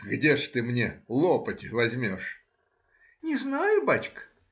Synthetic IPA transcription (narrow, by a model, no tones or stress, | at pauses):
ɡdʲeʂt̪ɨmnʲelˠopətʲɪvɐzʲmʲo̞ʂ | nʲɪznajʊbat͡ɕk